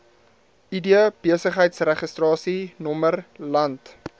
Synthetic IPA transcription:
idiəb̥iəsəχɦəjtsrɛχəstrɑːsinɔmərlɐnt

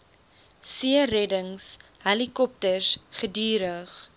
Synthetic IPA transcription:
siərɛdəŋshɐlikɔp̚tərsχədyːɾəχ

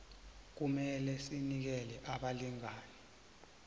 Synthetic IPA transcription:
k̬umɛlɛsinik̬ɛlɛʔaɓaliŋaːnɛ

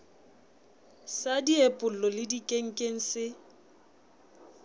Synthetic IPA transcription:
sadiepʼʊl̩lɔlɪdikʼeŋ̩kʼeŋ̩sɪ

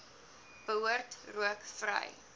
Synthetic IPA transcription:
b̥əɦuərtruəkfrə̰j

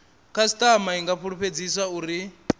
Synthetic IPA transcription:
kʰasi̥t̪ʼamaiŋɡaɸʰuɺuɸʰed͡zisauːɾi

